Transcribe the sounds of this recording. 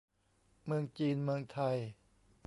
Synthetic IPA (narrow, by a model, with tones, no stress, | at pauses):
mɯ˧əŋt͡ɕiː˧nmɯ˧əŋt̪ʰa˧j